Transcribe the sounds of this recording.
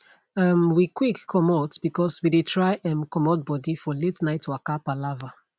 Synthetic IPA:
amwikwikʰːɔmɔtb̥ikɔswidetʰɹaɪʔɛ̃mkɔmɔt̚bɔdifɔletnaɪtʰwakapalava

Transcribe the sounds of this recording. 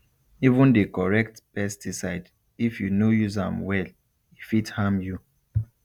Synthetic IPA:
ivũndekɔɹɛktpɛstisaɪd | ifjunojusã̰mwɛl | ifithãmju

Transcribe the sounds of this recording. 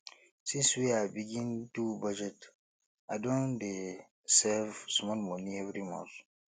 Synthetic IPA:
sĩnswiajbiɡĩntubɔd͡ʒɛt | ajdõnde | sɛvsmɔlmɔniɛvɾimɔ̰̃nθ

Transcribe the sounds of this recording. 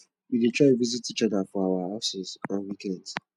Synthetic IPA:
widetʰɹaɪtvizitit͡ʃɔðəfɔawahaʊsɪzɔ̃nwikɛ̃nd

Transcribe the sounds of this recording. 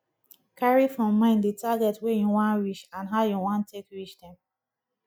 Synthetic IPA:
kʰaɹifɹɔ̃mːãɪ̃ndətʰaɡɛtwɛjuwɔ̃nɹit͡ʃãnɦaʊjuwɔ̃ntʰekɹit͡ʃdɛ̃m

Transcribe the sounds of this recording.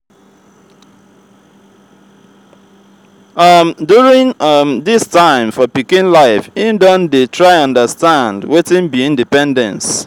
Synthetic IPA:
ʌmdjuɹĩŋʌmðɪstãɪ̃mfɔpikĩnlaɪfĩdɔ̃ndetʰɹaɪʌ̃ndəstãndwetĩnbiĩndipɛ̃ndɛ̰̃ns

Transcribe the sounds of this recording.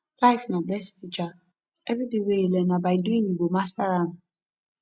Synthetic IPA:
laɪfnabɛstit͡ʃa | ɛvitɪ̃weilenabaɪduĩŋiɡ͡bomastaɾan̩

